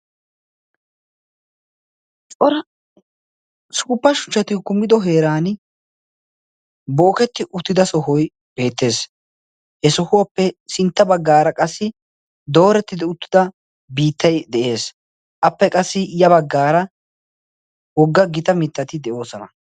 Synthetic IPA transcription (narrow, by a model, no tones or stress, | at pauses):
t͡sʼɔɾ | suːpːɐʃʊ̥t͡ʃːɐt̪ɪkʊmːɪd̪ɔɦe̞ːɾaːn | bɔːkɛt̪ːɪʔʊt̪ːɪd̪ɐsɔɦɔj | b̥e̞ːt̪ːe̞ːs | hɛsɔhʊwɐpːɛsɪnt̪ːɐbɐɡːaːɾɐkʼɐsːɪ | d̪o̞ːɾɛt̪ːɪd̪ɪʊt̪ːɪd̪ɐ | biːt̪ːɐjd̪ɛʔe̞ːs | ʔɐpːɛkʼɐsːɪjɐbɐɡːaːɾɐ | wɔɡːɐɡɪt̪ɐmɪt̪ːɐt̪ɪd̪ɛʔo̞ːsɔnɐ